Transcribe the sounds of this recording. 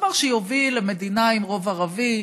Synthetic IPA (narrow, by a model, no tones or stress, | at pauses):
vaʁʃejovileme̞d̪inaimʁo̞vaʁavi